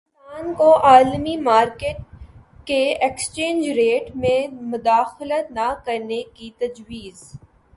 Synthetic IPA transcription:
aːnkoʔaːlmimaːɾkeːʈ̚ | keekst͡ʃẽːnd͡ʒɾeːʈmẽmʊd̪aːxlət̪nakɐɾnekit̪ɐd͡ʒwiːz

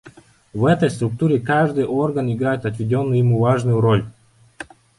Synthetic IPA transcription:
vɛt̪əjst̪ɾʊk̚t̪uɾʲɪkaʐd̪ɨjʔo̞rɡənɪɡɾajɪt̪ɐt̪vʲɪdʲonːʊjʊjɪmuvaʐnʊjʊɾolʲ

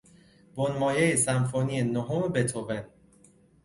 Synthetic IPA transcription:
bonmɒːjejesæmfoːnienoɦomebet̪ʰoven

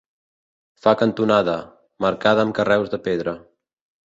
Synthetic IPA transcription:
fakənt̪unaðə | məɾkaðəːmkərɛwzðəpeðɾə

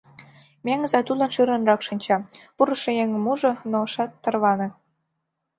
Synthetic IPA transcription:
mʲeŋəzɑt̪ulɑnʃyɾɤ̆nrɑkʃɤ̆nʲt͡ɕɑpuɾɤ̆ʃĕjeŋmuʒɤ̆noʃɑt̪ːɤ̆rβɑnɤ̆

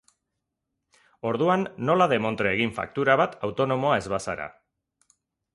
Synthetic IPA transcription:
o̞ɾðuanːo̞laðe̞mo̞nt̪ɾeeɣ̞iɱfa̰k̚t̪uɾaβ̞at̪awt̪o̞no̞mo̞ae̞zβasaɾa̰

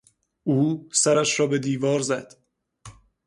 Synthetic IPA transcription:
uːsæɾæʃɾɒːbe̞d̪iːvɒːɾzæd̪̥

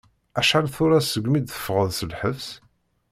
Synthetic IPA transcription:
æʃħalθʊɾasəɡʷːmid̪θə̥fʁəðsəlħəfs

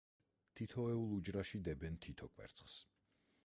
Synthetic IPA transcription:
t̪ʰit̪ʰɔɛulˠud͡ʒɾaʃid̪ɛbɛnt̪ʰit̪ʰɔkʼwɛ̰ɾt̪sʰχs

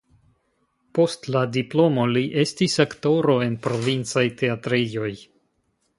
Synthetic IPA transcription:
po̞stladiplo̞mo̞liʔe̞stisakto̞ɾo̞e̞npɾo̞vint͡sajte̞atɾijo̞j

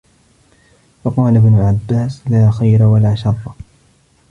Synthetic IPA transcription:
fɑqɑːlabnʊlʕabːaːslaːxajɾawalaːʃɑrˤːɑ

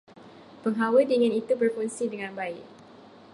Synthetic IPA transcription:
pəŋɦawədiŋɪ̃nit̪ubərfuŋsidəŋãnbaɪʔ

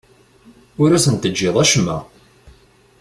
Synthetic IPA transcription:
ʊɾæsənt̪əd͡ʒːɪðˤæʃmːæ̰

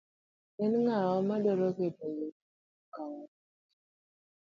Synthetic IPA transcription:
ɛnŋaɔmadɔɾɔkedaje | kaŋɔ

